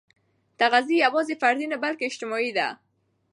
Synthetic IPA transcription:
t̪aɣaziawɔzefaɾd̪inabalkeɪʃt̪ɪmɔid̪a̰

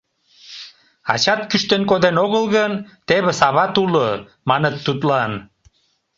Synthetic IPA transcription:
ɑ̰t͡ɕɑt̪kyʃt̪enkod̪enoɣəlɣənt̪eβĕsɑβɑt̪ulo | mɑnət̪ːut̪lɑn

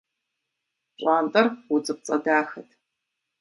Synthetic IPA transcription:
ɕʷʼaːntʼɐrʊd͡zɨp̚t͡sʼɐdaːxɐtʰ

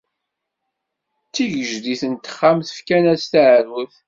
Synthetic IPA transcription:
t͡sːiʝəʒd̪iθənt̪ːə̥χːamθə̥fkænæst̪aʕəɾwəθ

